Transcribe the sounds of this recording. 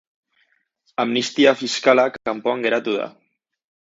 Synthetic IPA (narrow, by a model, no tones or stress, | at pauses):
amnist̪iafiskalakakampoaŋɡeɾat̪uða̰